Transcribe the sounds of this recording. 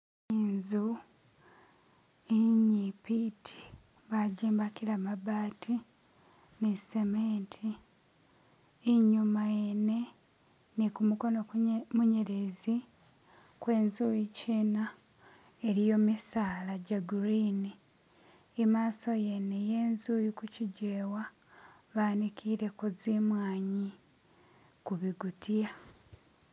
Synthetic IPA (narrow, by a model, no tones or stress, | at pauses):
inzu | iɲipitʰi̥ | βaɟiːmbakiɾamaβaːtʰi | nesemeːntʰi | ɲumajene̞ | nikumuko̞nomuɲe̞ɾezi | kwe̞ːnzujiciːna | eɾijo̞ːmisaːlaɟaɡuɾiːni | emaːso̞je̞neje̞ːnzuːjikuciɟeːwa | βaːnikʰiɾe̞kuzimwaːɲi | kuβiɡutʰija